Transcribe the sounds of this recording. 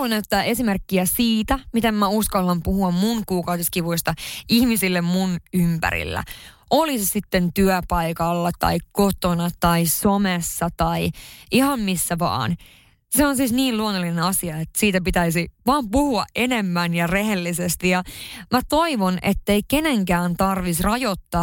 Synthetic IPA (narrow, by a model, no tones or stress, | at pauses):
lunæyt̪ːæːe̞simerkːiæsiːt̪æmit̪emːæuskɑlːɑmpuhuɑmmuŋkuːkɑwdiskiʋuist̪ɑihmisilːemmunympæ̰ɾḭlːæ̰ʔolissit̪ːent̪yœpɑikɑlːɑt̪ɑ̰ikkot̪onɑt̪ɑisomesːɑt̪ɑiihɑmmisːæʋɑ̰ːn | seonsiːsniːluonːolːinenɑsiɑet̪ːsiːt̪æpit̪æisiʋɑːmpuhuɑʔʔenemːænjɑrehelːisest̪ijɑmæt̪oiʋonʔḛt̪ːeikeneŋkæːnt̪ɑrʋisrɑjot̪ːɑː